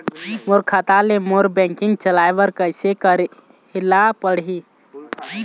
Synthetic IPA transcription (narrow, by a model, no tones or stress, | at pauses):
moɾkʰat̪alemoɾbɛ̃ŋkɪ̃ŋɡ̚t͡ʃəlajbəɾkəɪsekəɾ | ilapəɽɦi